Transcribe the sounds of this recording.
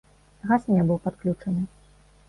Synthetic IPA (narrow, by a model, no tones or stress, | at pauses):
ɣasnʲɛbɨwpat̪klʲut͡ʂɐnɨ